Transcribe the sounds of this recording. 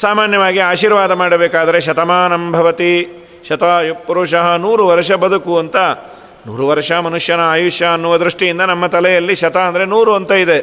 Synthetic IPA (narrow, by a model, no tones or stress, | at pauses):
saːmaːnjɐʋaːɡiaːʃiːɾʋaːd̪ɐmaːɽɐbeːkaːd̪ɐɾe̞ʃɐt̪ɐmaːnɐmbʱɐʋɐt̪i | ʃɐt̪ɐpɐɾuːʂɐɦɐnuːɾuʋɐɾʂɐbɐd̪ukuɐnt̪ɐ | nṵːɾuʋɐɾʂɐmɐnuʂjɐnɐaːjuʂjɐːnːuʋɐd̪ɾuʂʈijind̪ɐnɐmːɐt̪ɐlɛjɐlːiʃɐt̪ɐɐnd̪ɐɾenuːɾuɐnt̪ɐid̪e̞